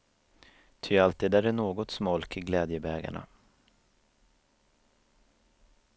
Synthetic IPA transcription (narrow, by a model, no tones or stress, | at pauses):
t̪ʰʏalt̪iːd̪æɾæɳoːɡɔt̪smɔlkɪɡlɛːd̪jəbɛːɡa̰ɳa̰